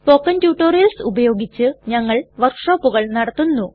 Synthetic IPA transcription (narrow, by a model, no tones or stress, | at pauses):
pokːɐntjuːʈːoːɾijɐlsubɐjo̞ːɡit͡ɕːɨɲɐŋːɐɭʋɐrkʂo̞ːpːuɣɐɭnɐɽɐt̪ːunːu